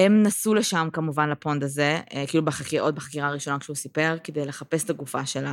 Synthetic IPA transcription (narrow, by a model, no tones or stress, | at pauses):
hemnasuleʃamkamuvanlapo̞nd̪aze̞kiilubeχakiʔo̞t̪̚beχakiʁaːʁiʃo̞nakʃusipe̞ʁked̪e̞jle̞χape̞st̪aɡufaʃe̞la